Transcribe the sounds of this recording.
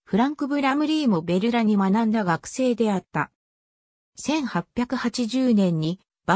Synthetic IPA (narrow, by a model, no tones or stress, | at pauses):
ɸɯ̟ɾãŋkɯ̟bɯ̟ɾamɯ̟ɾʲiːmo̞be̞ɾɯ̟ɾaɲ̟imanãnd̪aɡakɯ̟̥se̞ːd̪e̞at̪ːa | sẽ̞ɰ̃hapʲːjakɯ̟hat͡ɕiʑɨːnẽ̞ɲ̟ːi | b̥a